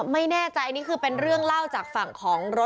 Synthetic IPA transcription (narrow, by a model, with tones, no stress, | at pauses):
ma˥˩jnɛː˥˩t͡ɕa˧jniː˥˩kʰɯː˧pe˧nɾɯ˥˩əŋla˥˩wt͡ɕaː˨˩k̚fa˨˩ŋkʰɔː˩˦ŋɾo˦˥